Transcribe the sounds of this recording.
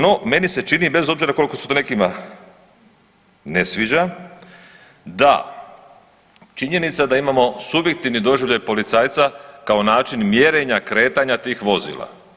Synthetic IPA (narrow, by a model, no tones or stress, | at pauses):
no̞me̞nise̞t͡ʃinibe̞zo̞bziɾako̞liko̞set̪one̞kima | nesʋid͡ʑa | d̪a̰ | t͡ʃiɲe̞nit̪sad̪aimamo̞subje̞k̚t̪iʋnid̪o̞ʒiʋʎajpo̞lit̪saːjt̪sakao̞naːt͡ʃinmje̞ɾe̞ɲakɾe̞ːt̪aɲat̪iːxʋo̞zḭːlˠa̰